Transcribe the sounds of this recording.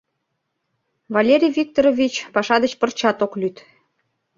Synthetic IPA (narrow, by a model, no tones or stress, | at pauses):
vɑlʲeɾʲijvʲik̚t̪oɾovʲit͡ɕpɑʃɑd̪ət͡ɕpərt͡ɕɑt̪oklyt̪